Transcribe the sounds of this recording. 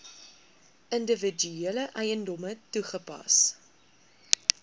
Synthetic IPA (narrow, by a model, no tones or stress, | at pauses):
əndəvəd͡ʒyiələʔɐjəndɔmətuχəpɐ̰s